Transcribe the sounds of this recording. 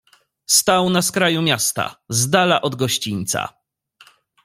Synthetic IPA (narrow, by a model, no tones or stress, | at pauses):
st̪awnaskɾajumʲjast̪a̰zd̪alaʔɔd̪ɡɔɕt͡ɕiɲʲt̪sa̰